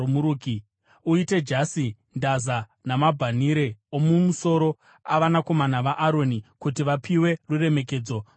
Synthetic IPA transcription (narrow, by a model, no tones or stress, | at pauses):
muɾuːki | uite̞d͡ʒasi | ndaza | namabʱaniɾe̞omumuso̞ɾo̞ | aʋanako̞manaʋaʔːɾo̞nikutiʋapiwe̞rure̞me̞k̬e̞ːd͡zo̞